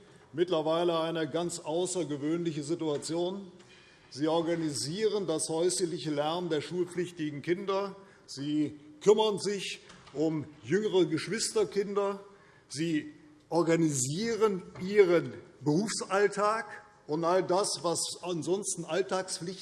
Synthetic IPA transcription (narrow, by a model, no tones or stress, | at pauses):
mɪtlɐvaɪləaɪnəɡant͡sʔaʊsɐɡəvøːnlɪçəzɪtuat͡sjoːn | ziːɔɐɡaniziːʁəndashɔʏsəlɪçəlɛɐnndeːɐʃuːlp͡flɪçtɪɡŋ̩kɪndɐ | z̥iːkʰʏmɐnzɪçʔʊmjʏŋəʁəɡəʃv̥ɪstɐkɪndɐ | ziː | ʔɔɐɡaniziːʁənʔiːʁənbəʁuːfsʔaltʰaːk | ʔʊntʔaldasvasanzɔnstn̩ʔaltaːksflɪç